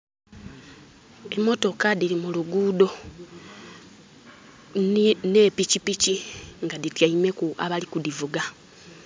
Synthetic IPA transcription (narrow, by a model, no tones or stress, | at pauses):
e̞mːo̞to̞kadilimuluɡuːdo̞ | nepicipiciŋɡaditjaime̞kua̰βalikudivuɡa